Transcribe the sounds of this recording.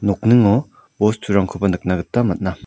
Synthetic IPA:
nɔk̚nɯŋɔ | bɔstʰuɾaŋkʰobanɯk̚naɡɯtːamat̚na

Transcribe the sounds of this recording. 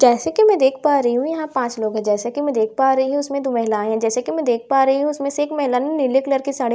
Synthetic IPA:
d͡ʒɛːsekimɛ̃d̪eːkʰpaːɾɐɦiɦũjɐɦãpãːt͡ʃloːɡɦɛ̃d͡ʒɛːsekimɛ̃d̪eːkʰpaːɾɐɦiɦɛ̃ʊsmẽd̪oːmɛɦlãːɦɛ̃d͡ʒɛːsekimɛ̃d̪eːk̚ʰpaːɾɐɦiɦũʊsmẽseːkmɛɦɪlanenɪɾləkləɾkisaːɽe

